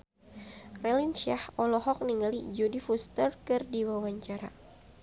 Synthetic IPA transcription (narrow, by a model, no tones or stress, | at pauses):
rɛlinʃiahɔlɔɦɔk̚niŋalid͡ʒodifust̪ərkɨrdiwawaɲt͡ʃaɾa